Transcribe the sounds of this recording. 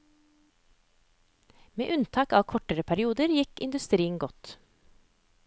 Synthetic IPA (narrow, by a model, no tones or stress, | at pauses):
mḛːʔʉnt̪ʰɑːkɑːʋkʰɔʈəɾəpʰæɾɪuːd̪əɾjɪkɪ̰nd̪ʉst̪ɾiːən̩ɡɔt̪